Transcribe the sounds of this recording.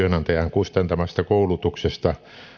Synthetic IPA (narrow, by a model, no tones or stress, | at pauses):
ønɑnt̪ejæŋkust̪ɑnt̪ɑmɑst̪ɑkoulut̪uksest̪ɑ